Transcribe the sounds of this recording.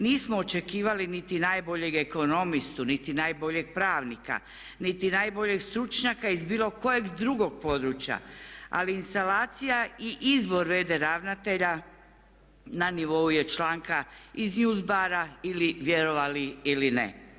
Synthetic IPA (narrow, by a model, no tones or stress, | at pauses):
niːsmoːt͡ʃe̞kiːʋalinit̪inaːjbo̞ʎe̞ɡeko̞no̞mist̪unit̪inaːjbo̞ʎe̞ɡ̚pɾaːʋnika̰ | nit̪inaːjbo̞ʎe̞ɡst̪ɾut͡ʃɲakaizbiːlo̞ko̞jeɡd̪ɾuɡo̞ɡ̚po̞d̪ɾut͡ɕja̰a̰liinst̪alaːt̪sijaiʔizbo̞ɾʋe̞ːd̪e̞ɾaʋnat̪e̞ʎa | naniʋo̞ujet͡ʃlaːŋkaiznuːzbaɾailiʋjeɾo̞ʋaliilinḛ